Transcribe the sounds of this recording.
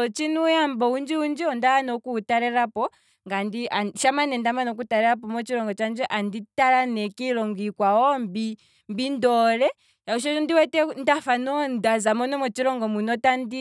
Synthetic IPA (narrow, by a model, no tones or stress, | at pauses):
ɔt͡ʃinujambɔund͡ʒiund͡ʒiɔndawanɔkutaɾɛɾapɔ | ŋɡandiaʃamanɛndamanɔk̬utaɾɛɾap̬ɔmɔt͡ʃiɾɔŋɡɔt͡ʃand͡ʒɛʔanditaɾanɛkiɾɔŋɡikwaɔmbi | mbindɔɾɛ | jauʃ̬ɔndiwɛtɛndafanɔndazamɔnɔmɔt͡ʃiɾɔŋɡɔmunɔtandi